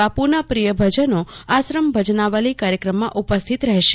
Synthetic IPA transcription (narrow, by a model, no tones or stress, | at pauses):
apuɾnapɾijəbʱəd͡ʒənoasɾəmbʱəd͡ʒnaʋəlikaɾjəkɾəmːãʔupəst̪ʰit̪ɾəɦʃe